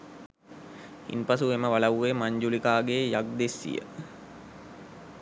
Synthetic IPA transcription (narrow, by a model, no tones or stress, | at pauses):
ḭnpasueməʋalaʋuʋemaɲd͡ʒulikaːɡejak̚d̪esːḭjə̰